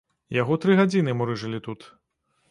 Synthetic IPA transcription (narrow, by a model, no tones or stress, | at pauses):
jaɣɔt̪ɾɨɣad͡zʲinɨmɔɾɨʐɨlʲit̪ut̪